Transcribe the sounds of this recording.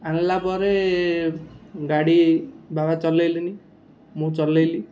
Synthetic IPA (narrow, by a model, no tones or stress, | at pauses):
anlabɔɾe | ɡaɽibabat͡ʃɔlejlini | mũt͡ʃɔlejli